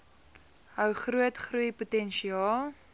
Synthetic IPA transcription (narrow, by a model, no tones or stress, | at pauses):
ɦœwχruətχrujputɛnʃiɑːl